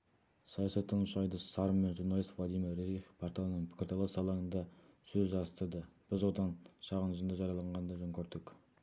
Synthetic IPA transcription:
sɑjɑsɑt̪ːəŋʃɑjd̪əsɑɾəmme̞nʒuɾnɑlˠist̪vlˠɑd̪ijmiɾɾeɾifpʰoɾt̪ʰɑlˠənəɴpʰɪ̥kʲɪɾt̪ʰɑlˠɑsɑlˠɑənd̪ɑsɵzʒɑɾəst̪əɾd̪əb̥ɪzwo̞t̪ɑnʃɑʁənʏzɪnd̪ɑʒɑɾjɑlˠɑɴʁɑnd̪ɑʒoŋkʲʰøɾd̪ɪkʲ

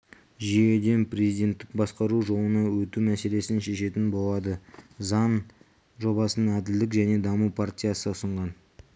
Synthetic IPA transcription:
ʒije̞d̪e̞nprʲe̞zijd̪ʲe̞nt̪ːɪk̚bɑsqɑɾuʒo̞lˠənɑwɵt̪umæse̞le̞sɪnʃe̞ʃe̞t̪ɪnbolˠɑd̪əzɑn | ʒo̞bɑsənənæd̪ɪld̪ɪkʒæne̞d̪ɑmupʰart̪ʲijasəʊsəɴʁɑn

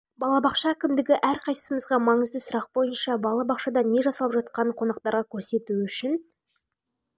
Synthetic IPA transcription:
bɑlˠɑbɑqʃɑækʲɪmd̪ɪɡʲɪʔæɾqʰɑj̪səməzʁɑmɑɴəzd̪əsʊɾɑq̚bo̞jənʃɑbɑlˠɑbɑqʃɑd̪ɑne̞ʒɑsɑlˠəpʒɑt̪̚qɑnəqʰo̞nɑqt̪ɑɾʁɑkʲʰɵɾse̞t̪uʏʃɪn

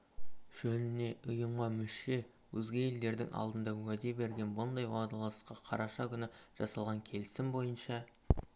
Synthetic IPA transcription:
ʒ̥ɵnɪne̞ʔʊjəmʁɑmʏʃe̞ | wɵzɡʲe̞je̞ld̪e̞ɾd̪ɪ̰ŋʔɑ̰lˠd̪ənd̪ɑwæd̪e̞be̞ɾɡʲe̞nbʊnd̪ɑjwɑd̪ɑlˠɑsqːɑqʰɑɾɑʃɑkʲʰʏnɪʒ̥ɑsɑlˠʁɑŋkʲʰe̞lɪsɪmbo̞jənʃɑ

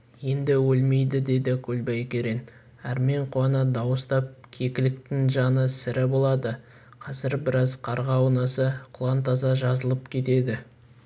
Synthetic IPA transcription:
je̞nd̪ɪwɵlme̞jd̪ɪd̪e̞d̪ɪkʲʰɵlbɑjkʲe̞ɾen | æɾme̞ɴqʰuɑnɑd̪ɑwəst̪ɑp̚kʲʰe̞kʲɪlɪk̚t̪ɪŋʒɑnəsɪɾɪbo̞lˠɑd̪ə | qʰɑzɪɾbɪɾɑzqʰɑɾʁɑːwnɑsəqʰʊlˠɑnt̪ɑzɑʒɑzəlˠəpkʲʰe̞t̪e̞d̪ɪ

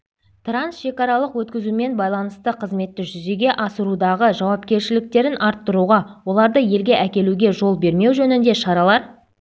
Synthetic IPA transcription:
t̪ransʃe̞kɑɾɑlˠəqwɵt̪kʲɪzume̞nbɑjlˠɑnəst̪əqʰəzme̞t̪ːɪʒʏze̞ɡʲe̞ʔɑsəɾud̪ɑʁəʒɑwɑp̚kʲe̞ɾʃɪlɪk̚t̪e̞ɾɪnʔɑɾt̪ːəɾuʁɑwo̞lˠɑɾd̪əje̞lɡʲe̞ʔækʲe̞luɡʲe̞ʒo̞lˠbe̞ɾme̞wʒɵnɪnd̪e̞ʃɑɾɑlˠɑɾ

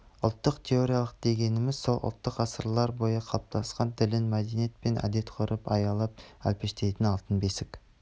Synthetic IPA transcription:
ʊ̰lˠt̪ːəqt̪ʲʰe̞o̞ɾijalˠəq̚d̪e̞ɡʲe̞nɪmɪzso̞lˠʔʊ̰lˠt̪ːəqɑsəɾlˠɑɾbo̞jɑqʰɑlˠəp̚t̪ʰɑsqɑnd̪ʰɪlɪnmæd̪enijet̪̚pe̞nʔæ̰d̪e̞t̪qʰoɾʔəpɑjɑlˠɑp̚æ̰lpe̞ʃt̪e̞jt̪ɪnɑlˠt̪ənbe̞sɪk

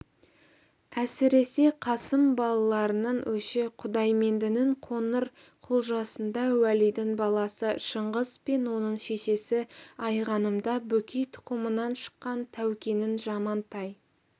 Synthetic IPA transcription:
æsɪɾe̞se̞qʰɑsəmbɑlˠɑlˠɑɾənɑɴwɵʃeqʰʊd̪ɑjme̞nd̪ɪnɪɴqʰonəɾ | qʰʊlˠʒɑsənd̪ɑwælijd̪ɪŋbɑlˠɑsəʃəɴʁəz̥pe̞nwo̞nəɴʃe̞ʃe̞sɪɑjʁɑnəmd̪ɑbɵkʲʰejt̪ʰʊ̥qəmənɑnʃə̥qːɑnt̪ʰæwkʲe̞nɪnʒɑmɑnt̪ɑj

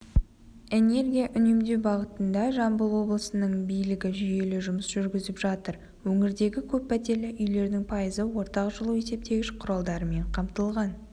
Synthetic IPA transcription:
e̞ne̞rɡʲijaʔʏne̞md̪e̞wbɑʁət̪ənd̪ɑʒɑmbəlˠwo̞blˠəsənəɴbijlɪɡʲɪʒʏje̞lɪʒʊməsʒʏɾɡʲɪzɪpʒɑt̪əɾ | wɵŋɪɾd̪e̞ɡʲɪkʲʰɵpːæt̪e̞lɪʔʏjle̞ɾd̪ɪŋpʰɑjəzəwo̞ɾt̪ɑqʒəlˠue̞se̞p̚t̪ʰe̞ɡʲɪʃqʰʊɾɑlˠd̪ɑɾəme̞ɴqʰɑmt̪əlˠʁɑn

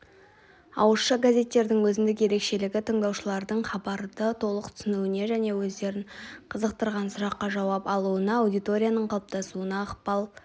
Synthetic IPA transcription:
ɑ̰wəsʃəɡazʲe̞t̪ːe̞ɾd̪ɪŋwɵzɪnd̪ɪkje̞ɾe̞kʃe̞lɪɡʲɪt̪ʰəŋd̪ɑwʃəlˠɑɾd̪əɴχɑbɑɾd̪ət̪ʰo̞lˠəq̚t̪ʰʏ̥sɪnuɪne̞ʒæne̞wɵzd̪e̞ɾɪɴqʰəzəq̚t̪əɾʁɑnsʊɾɑqːɑʒɑwɑpɑlˠuənɑːwd̪ijt̪o̞ɾʲijanəɴqʰɑlˠp̚t̪ɑsuənɑːqpɑlˠ

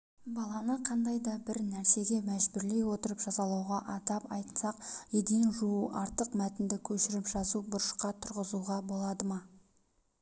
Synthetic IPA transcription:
bɑlˠɑnəqʰɑnd̪ɑjd̪ɑbɪɾnæɾse̞ɡʲe̞mæʒbʏɾle̞jwo̞t̪əɾəpʒ̥ɑsɑlˠɑwʁɑʔɑt̪ɑpɑjt̪sɑqjed̪enʒuuʔɑɾt̪əqmæt̪ɪnd̪ɪkʲʰɵʃɪɾɪpʒɑzubʊɾəʃqɑt̪ʰʊɾʁəzuʁɑbo̞lˠɑd̪əmɑ

